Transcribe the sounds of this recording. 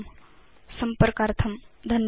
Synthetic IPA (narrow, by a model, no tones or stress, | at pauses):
m | sɐmpəɾkaːɾt̪ʰɐmd̪ʱɐn